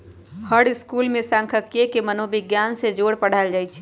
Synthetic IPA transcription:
həɽɪskuːlmẽsãŋkʰəkjekemənobɪɡjaːnsed͡ʒoːɽpəɽ̤ald͡ʒaːjt͡ʃʰ

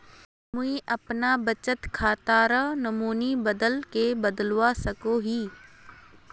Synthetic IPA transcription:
mʊĩʔɐpnabət͡ʃət̪kʰaːt̪aːɾənɐmuːnibəd̪əlkebɐd̪lwasɐkoɦiː

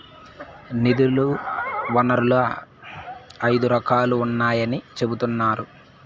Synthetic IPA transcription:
nid̪uluʋɐnɐɾulu | ɐjd̪uɾɐkaːluːnːaːjɐnit͡ʃe̞but̪unːaːɾu

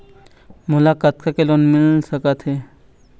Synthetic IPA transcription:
mʊlakat̪kakelonmɪlsəkat̪ʰɦe

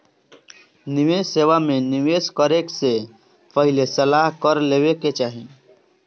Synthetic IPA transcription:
nɪʋeseːʋamẽnɪʋeːskəɾekse | pəɦɪlesəlaːɦkəɾleːʋeket͡ʃaːɦẽ

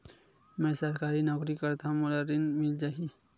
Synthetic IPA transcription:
mɛ̃səɾkaːɾinɔːkɾikəɾt̪ʰamʊlaɾinmɪld͡ʒaːɦi

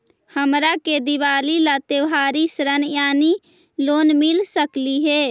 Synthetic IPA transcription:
həmɾaked̪iʋaːlilat̪eʋɦaːɾisɾənjaːni | loːnmilsəkliɦe

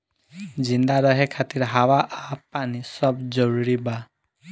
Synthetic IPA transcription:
d͡ʒind̪aɾɔɦekʰat̪iɾɦawaʔapanisɔbd͡ʒɔɾuɾiba

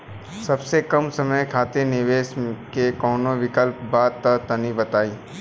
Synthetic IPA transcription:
sɐbsekɐmsɐməjkʰaːt̪enɪʋeːskekɔːnõʋɪkəlpbaːd̪̚t̪ɐt̪ɐnibɐt̪aːiː

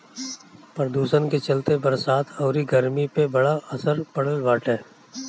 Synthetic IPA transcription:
pɾəd̪uːsənket͡ʃɐlt̪ebɐɾsaːt̪ʰɔːɾiɡəɾmipebɐɽaɐsəɾpɐɽəlʋaːʈʰɦɛː

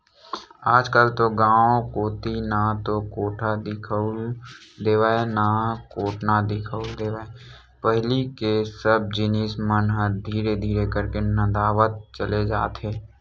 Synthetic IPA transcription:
aːd͡ʒkəlt̪oɡãːõkoːt̪inat̪okoːʈʰad̪ɪkʰəʊld̪eːʋaːenakoːʈʰnad̪ɪkʰəʊld̪eːʋaːe | pəɦlikesəb̚d͡ʒɪnɪsmənɦəɾd̪ʱiːɾed̪ʱiːɾekəɾkenəd̪aːʋət̪̚t͡ʃəled͡ʒa̰ːt̪ɦeː

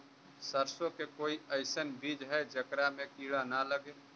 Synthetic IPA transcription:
səɾsõkekoːiəɪsənbiːd͡ʒɦɛd͡ʒəkɾamẽkiːɽanaləɡeː

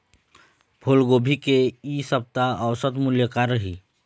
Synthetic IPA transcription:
bʱolɡoːbʱikeisəp̚t̪aəwsət̪mʊljəkaɾːəɦiː

